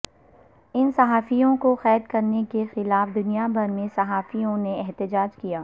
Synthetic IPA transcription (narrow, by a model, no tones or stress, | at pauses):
ɪnsɐɦaːfijõkoxɛːd̪kɐɾnekexɪlaːfd̪ʊnijabʱɐɾmẽsɐɦaːfijõneɛɦt̪ɪd͡ʒaːd͡ʒkijaː